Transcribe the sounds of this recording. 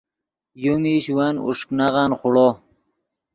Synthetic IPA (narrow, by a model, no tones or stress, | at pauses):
jumiɕwanṵʂknaʁanχʊɽo